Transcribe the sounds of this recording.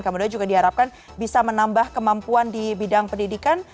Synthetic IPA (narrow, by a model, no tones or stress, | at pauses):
kəmudiand͡ʒuɡadiɦaɾap̚kan | bisamənambahkəmampuandibidaŋpəndidikan